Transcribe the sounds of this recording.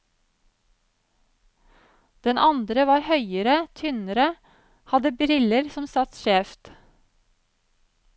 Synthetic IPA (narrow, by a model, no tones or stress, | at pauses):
d̪̥ɛnʔɑnd̪ɾəʋɑːɾhœʏəɾət̪ʰʏnəɾə | hɑd̪əbɾɪləɾsɔmsɑt̪ʃeːft̪